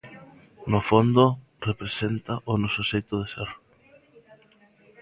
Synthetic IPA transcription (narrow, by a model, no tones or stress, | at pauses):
nʊfond̪ʊ | repɾesent̪ɐʔʊnɔsʊsejt̪ʊðeseɾ